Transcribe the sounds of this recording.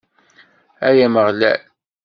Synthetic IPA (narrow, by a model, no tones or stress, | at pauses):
æjæməʁlæ̰l